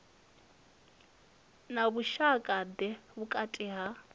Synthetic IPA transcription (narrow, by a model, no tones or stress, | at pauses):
naβuʃakʼadɛβukʼatʼiɦa